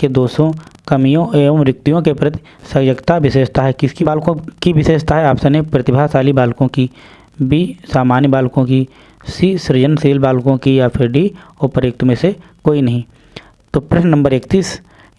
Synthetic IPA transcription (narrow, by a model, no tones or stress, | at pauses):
ked̪oːsõkɐmijõʔeːmɾɪk̚t̪ijõkepɾɐt̪i̥ | sɐjəɡt̪aʋɪseːʃt̪aɦɛkɪskibaːlkõkiʋɪseːʃt̪aɦɛaːpsɐnepɾɐt̪ɪbʱaːsaːlibaːlkõki | bʱisaːmaːnjəbaːlkõki | siːsɾɪd͡ʒənseːlbaːlkõkijapʰɪɾɖioːpəɾeːk̚t̪omẽsekoːinɐɦĩ | t̪oːpɾɪʃnnə̃mbəɾeːkt̪iːs